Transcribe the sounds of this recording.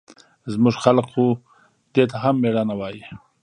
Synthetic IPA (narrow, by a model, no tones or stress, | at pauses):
zmʊʐxalqxu | d̪et̪aɦamːeɽanawɑji